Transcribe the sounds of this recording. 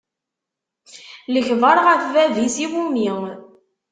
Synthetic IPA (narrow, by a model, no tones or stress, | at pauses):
ləçvəɾˤʁəfvævisiwumi